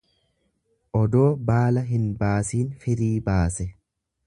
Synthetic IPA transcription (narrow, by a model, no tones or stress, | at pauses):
ʔɔd̪o̞ːbaːlɐɦɪnbaːsiːnfɪɾiːbaːsɛ